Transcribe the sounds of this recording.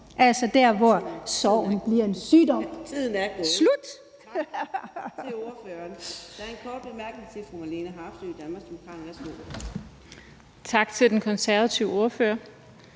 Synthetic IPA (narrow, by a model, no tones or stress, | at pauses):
ʔælsɒd̥æɐʋɒsɒʊ̰n̩b̥liɐe̝nsyːd̥ɒ̽mmʰið̰ˠn̩æɐ̥slud̥ | eoføɐnd̥ɑæɐenkʰɒːd̥̚b̥e̝mæɐɡ̥neŋt͡sʰe̝fʁumælenəɦɑ̈fsø̰id̥ænmɑ̈ɡsd̥emokʰɑ̈ːd̥n̩æslo̰̥ | t͡sʰɑ̈ɡ̥t͡sʰe̝ld̥enkʰɒ̽nsæɐʋæt͡sʰiʊo̝ɐføːɐ